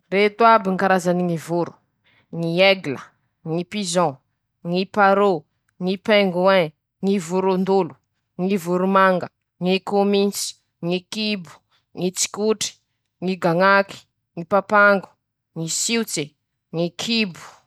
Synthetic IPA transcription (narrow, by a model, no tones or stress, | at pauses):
ret̪uabiŋkaɾazaniŋivuɾu̥ | ŋiɛɡlə | ŋipizɔ̃ | ŋipaɾo | ŋipɛŋɡuẽ | ŋivuɾund̪ulu̥ | ŋivuɾumaŋɡə | ŋikomint͡si̥ | ŋikibu̥ | ŋit͡si̥kuʈ͡ʂi̥ | ŋiɡaŋaki̥ | ŋipapaŋɡu̥ | ŋisiwt͡se | ŋikʰibu̥